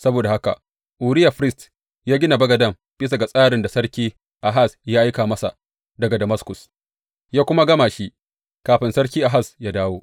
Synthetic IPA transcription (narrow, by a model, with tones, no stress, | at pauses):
sɐ˦boː˨da˨ha˦ka̰˨ | ʔuː˨ɽɪ˦ja˨ɸɾɪ˦st | jaː˦ɡʲɪ˦na˨bɐ˦ɡɐ˨dɐ˦˨m | b̥ɪ˦s̬a˨ɡa˨sʼaː˦ɾɪ˨nda˨sɐ˦ɽkʲiː˦ | ʔa˨ɦa˦˨sjaː˦ʔa˦jkaː˨mɐ˦sa̰˨ | dɐ˨ɡa˨dɐ˨mɐ˦skʊ˨s | jaː˦kʷʊ˦ma˦ɡɐ˦maː˨ʃi˦ʔ | kaː˨ɸɪ˨nsɐ˦ɽk̬ʲiː˦ʔa˨ɦa˦˨sjaː˦daː˦woː˦